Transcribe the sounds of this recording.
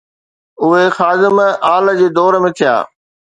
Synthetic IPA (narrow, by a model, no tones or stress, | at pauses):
ʊɦexaːd̪ɪmaːləd͡ʑeːd̪ɔːɾmẽːt̪ʰɪja̰ː